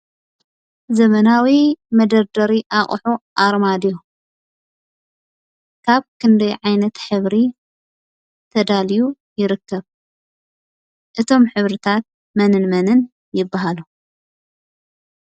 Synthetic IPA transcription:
zɐmɐnawimɐd̪ɐɾd̪ɐɾiʔaχʼħuʔaɾmad̪iju | kʰaβkʰɨnd̪ɐjʕajnɐt̪ħɨβɾi | t̪ʰɐd̪aliju | jɪɾɨkʰːɐβ | ʔɨt̪ʰo̞mħɨβɾɨt̪ʰat̪̚ | mɐnɨnmɐnɨn | jɪbːaɦalu

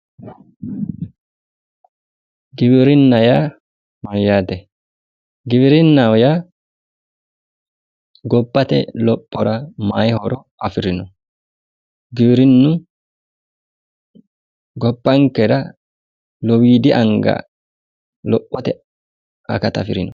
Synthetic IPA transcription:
ɡɪbɪɾɪnːɐja | mɐɾjaːt̪ɛ | ɡɪβɾɪnːawja | ɡɔbːɐt̪ɛ̰lɔpʼːɔɾɐmaːjɛhɔɾɔʔɐfɪɾɪnɔ | ɡɪbɪɾɪnːʊ | ɡɔbːɐŋkɛɾɐ | lɔwiːd̪ɪʔɐŋɡa̰ | lɔpʼːɔt̪ɛ | ɐ̰kɐt̪ɐ̰fɪɾɪnɔ

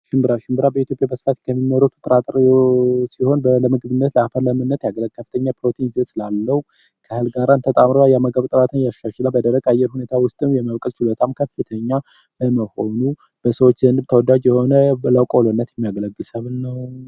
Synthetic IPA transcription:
ʃɪmbɨɾaʃɪmbɨɾabəit̪ʰjo̞pʼjabəsfat̪kʰəmːiməɾut̪ʰu̥t̪ʼɨɾat̪ʼɾ | siho̞nbələmɨɡɨβɨnːət̪ləafələmɨnːət̪jaɡlkʰːəfɨ̥t̪ʰəɲːapɾo̞t̪ʰinzət̪lalːəhu | kʰəhɨlɡaɾant̪ʰət̪ʼamɾoajaməɡəβt̪ʼɨɾat̪ʰənjaʃaʃlabəd̪əɾəɡajːɛɾhune̞t̪ʰawʊst̪ʼɨmjɛməβkʼəlt͡ʃɪlot̪ʰamkʰəfɨt̪ʰəɲːa | bəməho̞nu | b̥əsəwot͡ʃːzənɨbt̪ʰəwɔd̪ad͡ʒjɛho̞nələkʼolonːət̪jɛmːijaɡələɡːɨlsəβnːəw

